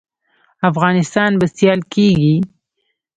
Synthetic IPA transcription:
afɣɑnɪst̪ɑnbast̪jɑlkeɡi

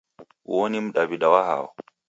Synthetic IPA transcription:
wonimɗabidawaha̰w̰

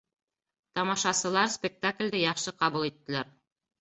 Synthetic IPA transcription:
t̪ɑmɑʃɑsɤ̆lˠɑɾspʲek̚t̪aklʲd̪ɘjɑχʃɤqɑβulˠit̪ːɘ̆læɾ

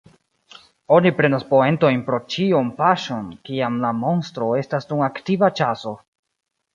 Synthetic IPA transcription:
o̞nipɾe̞naspo̞e̞nto̞jnpɾo̞t͡ʃiompaʃo̞nkiamlamo̞nstɾo̞e̞stasduŋaktivat͡ʃaso̞

